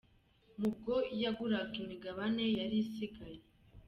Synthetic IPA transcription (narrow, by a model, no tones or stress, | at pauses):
muɡojaɡuɾaɡimiɡaβane̞jaɾisiɡaje